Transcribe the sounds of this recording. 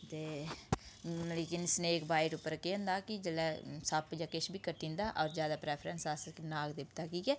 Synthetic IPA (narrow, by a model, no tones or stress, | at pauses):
t̪eː | leːkɪnsneːkbaːɪʈʊpːəɾkeə̃nd̪aːkɪd͡ʒəlɛːsapd͡ʒaːkɪʃbʱiːkəʈːĩːnd̪aːʔɔːɾd͡ʒjaːd̪aːpɾɛːpʰɾɛ̃nsaːsəknaːɡd̪ɪpt̪aːkiːkɛː